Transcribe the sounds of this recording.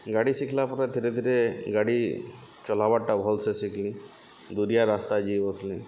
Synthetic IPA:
ɡaɽisikʰlapɔɾed̪ʱiɾed̪ʱiɾeɡaɽi | t͡ʃɔl̤abaʈabʱɔlsesikʰlĩ | d̪uɾijaɾast̪ad͡ʒibɔslĩ

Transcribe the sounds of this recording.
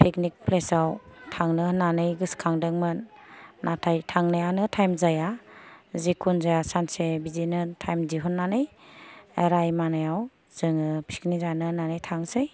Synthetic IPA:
pʰeknik̚pʰlesawtʰaŋnɯnanɯjɡɯskʰaŋdɯŋmɯnːʔatʰajtʰaŋnajanɯtʰajmzaja | zekʰunzajasansebizinɯtʰajmdiɦunːanɯj | ɾajmanajaw | z̥ɯŋɯpʰi̥knizanɯnanɯjtʰaŋsɯj

